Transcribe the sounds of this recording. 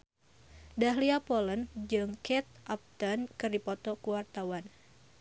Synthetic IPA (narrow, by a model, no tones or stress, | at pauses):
daɦliapɔlənd͡ʒɨŋkɛt̪̚ʔap̚t̪ənkɨrdipɔt̪ɔkuwart̪awan